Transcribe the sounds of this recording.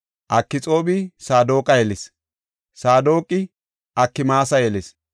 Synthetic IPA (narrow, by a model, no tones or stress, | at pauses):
ʔɐkːɪt͡sʼo̞ːbɪsaːd̪o̞ːkʼɐjɛlɪs | saːd̪oːkʼːɪ | ʔɐkːɪmaːsɐjɛlɛs